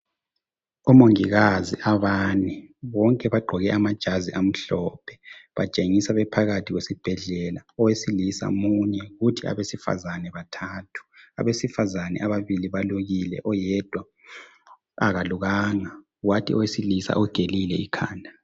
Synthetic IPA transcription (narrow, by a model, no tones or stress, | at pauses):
ɔmoŋiɣaziʔaβaːnɛβɔŋkʼɛβaɡ͡ǃʱɔɣɛʔamad̥ʒ̥ʱaziʔam̩ɬɔpʰɛ̥βat͡ʃʼeŋisaβɛpʰaɣatʰiɣwesib̥ʱɛɮɛlaɔwesilisa̰muɲɛɣutʰia̰βesifa̰zanɛβatʰaːtʰu̥a̰βesifazanɛ̰ʔaβaβiliβaluɣilɛ̰ʔɔjɛd̥ʱwa | aɣaluɣaːŋa | watʰiɔwesilisa̰ʔɔɡ̥ʱelilɛikʰa̰ːndʱa